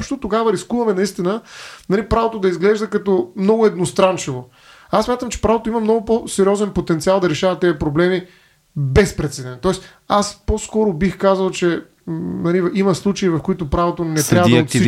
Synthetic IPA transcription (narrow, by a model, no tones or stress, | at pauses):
pʃt̪ot̪oɡavəɾiskuvɐmɛnɐist̪inənɐlipɾavot̪od̪ɐizɡlɛʒd̪əkɐt̪ɔmnɔɡʊɛd̪nost̪ɾant͡ʃivo | asːmʲat̪əmt͡ʃɛ̥pɾavot̪oimɐmnɔɡʊposɛɾiɔzɛnpot̪ɛnt̪sialˠd̪ɐɾɛʃavɐt̪ɛɐpɾoblɛmi | bɛspɾɛt̪sɛd̪ɛnt̪ɔɛs | asposkɔɾʊbixkazəlˠt͡ʃɛ | nɐliimɐslˠut͡ʃɐivɐfkoʊit̪ʊpɾavot̪onɛt̪ɾavəd̪ot̪